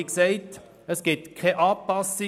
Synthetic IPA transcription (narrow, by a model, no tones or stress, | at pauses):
ksɛɪt | əsɡ̥ɪt̪kʰɛʔɑːpɑsɪ